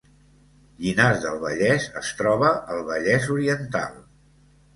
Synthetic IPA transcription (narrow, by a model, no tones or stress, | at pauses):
ʎinazðəlˠβəʎɛzə̰st̪ɾɔβ̞əʔəlˠβəʎɛzuɾiənt̪a̰lˠ